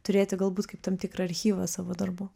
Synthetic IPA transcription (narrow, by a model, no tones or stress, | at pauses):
t̪ʊɾʲeːt̪ʲɪɡɐlˠbuːt̪kɐɪpt̪ɐmt̪ʲɪkɾɐɐɾʲxʲiːʋɐsɑːʋoːd̪ɐrboː